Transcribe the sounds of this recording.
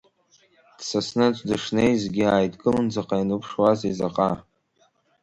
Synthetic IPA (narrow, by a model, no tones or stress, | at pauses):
d̥sasnɨt͡ʃʷʼdɨʂnejzɡʲiaːjtʰʼɡʼɨlɨnd͡zaqʼainɨpʰʂwazizaqʼa